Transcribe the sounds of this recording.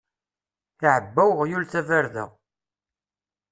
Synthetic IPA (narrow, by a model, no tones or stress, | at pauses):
iʕəbːæwʁjulθævæɾðæ̰ʁ